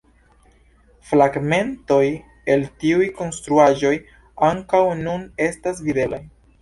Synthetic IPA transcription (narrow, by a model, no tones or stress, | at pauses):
fɾaɡme̞nto̞j | e̞ltiujko̞nstɾuaʒo̞j | aŋkawnune̞stas̬vide̞laj